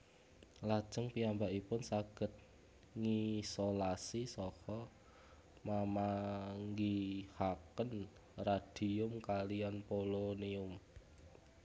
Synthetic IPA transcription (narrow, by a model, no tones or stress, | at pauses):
lad̥ʒ̥ə̤ŋpiambaʔipʊnsaɡ̥ə̤t̪̚ | ŋisolasisɔhɔ | mamaŋɡihakən | rad̥iʊmkalijanpoloniʊm